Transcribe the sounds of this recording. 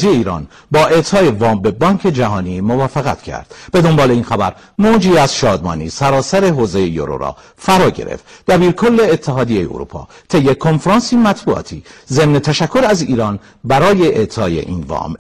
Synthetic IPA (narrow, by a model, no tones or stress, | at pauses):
zijeiːɾɒ̰ːn | bɒːʔe̞t̪ʰɒːje̞vɒːmbe̞bɒːŋcʰe̞d͡ʒæɦɒːniːmo̞vɒːfeɣæ̰t̪ʰcʰæ̰ɾd̪̥b̥e̞d̪o̞mbɒːleiːnxæbæɾ | moːd͡ʒiːæz̥ʃɒːd̪mɒ̰ːnḭːsæɾɒːsæɾe̞ɦoːze̞jejo̰ɾo̰ɾɒ̰ː | fæɾɒːɟe̞̰ɾḛft̪d̪̥æbiːɾkʰo̞lːe̞ːt̪ʰːeɦɒːd̪ijejḛo̰ɾṵːpʰɒ̰ːt̪ʰe̞jːekʰo̞nfɾɑːnsiːmæt̪ʰbuɒ̰ːt̪ʰiːze̞mnet̪ʰæʃækʰːoɾæziːɾɒːn | bæɾɒːje̞ʔeʔt̪ʰɒːjḛʔḭːnvɒ̰ːm